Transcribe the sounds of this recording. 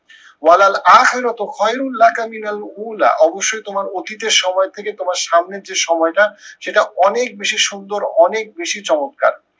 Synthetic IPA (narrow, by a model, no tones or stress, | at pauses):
walalaːxeɾɔt̪oxʰɔjɾunlakaminaluːla̰ʔɔboʃːojt̪omaɾot̪it̪eɾʃɔmɔet̪ʰeket̪omaɾʃamneɾd͡ʑeʃɔmɔeʈaʃeʈaɔnek̚beʃiʃund̪oɾɔnek̚beʃit͡ɕɔmot̪̚ka̰ɾ